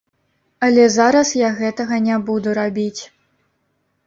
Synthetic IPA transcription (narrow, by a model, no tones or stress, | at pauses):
ɐlʲɛzaɾɐsjaɣɛt̪ɐɣɐnʲabud̪uɾabʲit͡sʲ